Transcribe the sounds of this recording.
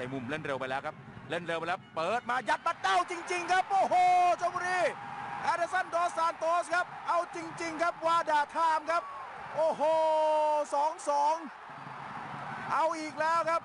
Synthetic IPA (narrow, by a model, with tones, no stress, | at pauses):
a˨˩jmu˧mɾe˥˩nɾe˧wpa˧jlɛː˦˥wkʰa˦˥p̚ɾe˥˩nɾe˧wpa˧jlɛː˦˥wpɤː˨˩t̪̚maː˧ja˦t̪̚ba˧˩t̪̚ɗa˧˥˩wt͡ɕi˧ŋt͡ɕi˧ŋkʰa˦˥p̚ʔoː˧˩ɦoː˧t͡ɕʰːkʰu˧˥niː˧˩ʔaː˧ɾa˦˥sa˥˩ndɔː˧˥saː˨˦nt̪oː˦˥skʰa˦˥p̚ʔa˧wt͡ɕi˧ŋt͡ɕi˧ŋkʰa˦˥p̚waː˧daː˨˩t̪ʰaː˧˩mkʰa˦˥p̚ | ʔoː˧˩ɦoː˧sɔː˩˦ŋsɔː˩˦ŋ | ʔa˧wʔiː˨˩k̚lɛː˦˥wkʰa˦˥p̚